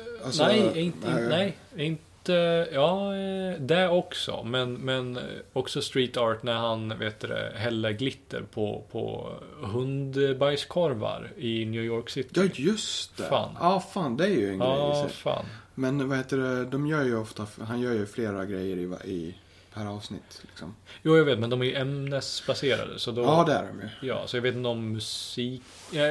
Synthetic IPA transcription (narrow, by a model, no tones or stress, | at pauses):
nɛjɪnnɛj | ɪnt̪əjɑːd̪ɛɔksɔ̰mɛnmɛnɔksɔst̪ɾiːt̪ɑːʈnæɾhanveːt̪̚d̪ɛ̰ɦɛlːəɡlɪt̪ːə̰ɾpʰɔ̰pʰɔ̰ɦɵnd̪bajskʰɔɾva̰ɾɪnjʉːjɔɾksɪt̪ʰːɵst̪ɛ̰fa̰ːnɑːfɑːnd̪ɛæɾjɵɛnɾɑːfa̰ːnmɛnvaheːt̪əɖɛd̪ɔmjœːɾjɵɔft̪aɦanjœːɾjɵfleːɾaɡɾɛjːəɾɪ̰ɪ | pʰæɾɑːvsnɪ̰t̪ːlɪksɔmjuːjaveːt̪mɛnd̪ɔmæɾjɵʔɛmnɛsbaseːɾa̰d̪ə̰sɔd̪ɔɑːd̪ɛæ̰ɖɔmjɵjɑ̰ːsɔjɑveːt̪ɪnt̪ɔmːɵsiːk